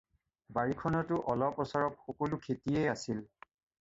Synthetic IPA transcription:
baɹikʰɔnɔtʊʔɔlɔpɔsaɹɔp̚xɔkolʊkʰetiejasil

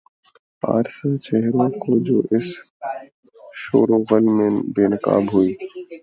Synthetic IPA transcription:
a̰ːɾsət͡ʃeɦɾõːkʰoːd͡ʒo̰ːʔɪs | ʃo̰ːɾõːɣəlimẽːbeːnɪka̰ːbɦuiː

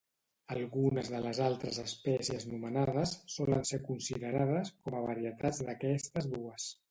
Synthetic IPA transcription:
əlˠɣunəzðələzalˠt̪ɾəzəspɛsiəznumənaðəsːɔlə̰nsekunsiðəɾað̞əskɔməβəɾiət̪ad͡zd̪əkɛst̪əzd̪uəs

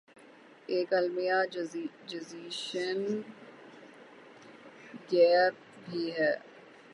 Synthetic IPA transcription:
eːkəlmijaː | d͡ʒuziːʃən | ɡɛːp̚ | bʱiːɦɛː

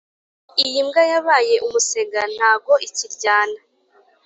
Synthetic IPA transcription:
ijimɡajaβaːje̞ʔumuse̞ɡan̥haːbɡo̞ʔiciɾɟaːna

